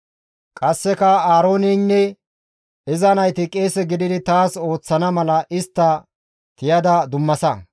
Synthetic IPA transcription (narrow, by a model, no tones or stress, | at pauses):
kʼɐsːɛkɐaːɾo̞ːnɪnːɛ | ɪzɐnɐjt̪ɪkʼeːsɛɡɪd̪ɪd̪ɪt̪aːso̞ːt͡sːɐnɐmɐlɐʔɪst̪ːɐ | t̪ɪjɐd̪ɐd̪ʊmːɐsɐ